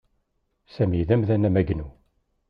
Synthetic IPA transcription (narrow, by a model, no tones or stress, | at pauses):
sæmiðæmðænæmæɡnu